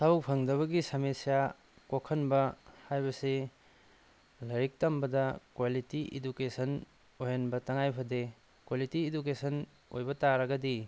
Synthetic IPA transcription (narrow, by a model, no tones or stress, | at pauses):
sabuk̚pʰɐŋdɐβɐɡisamesija | kokʰɐnbɐhajbɐse | lɐɾik̚tɐmbɐdɐkwalitiʔḛdukesɐn | ojɐnbɐtɐŋajpʰɐde | kwalitiːdukesɐn | ojbɐtaɾɐɡɐdi